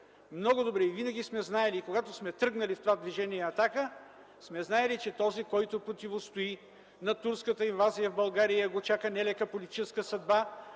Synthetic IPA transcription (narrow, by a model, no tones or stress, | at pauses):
mnɔɡʊd̪obɾɛivinɐɡʲismɛznaɛlikoɡat̪osmɛt̪ɾɤɡnɐlift̪ovad̪viʒɛniɛɐt̪akə | smɛznaɛlit͡ʃɛt̪ɔzikɔjt̪opɾot̪ivost̪oi | nɐt̪uɾskət̪əinvazijəvbɐlˠɡaɾijəɡot͡ʃakənɛlɛkəpolit̪it͡ʃɛskəsɐd̪ba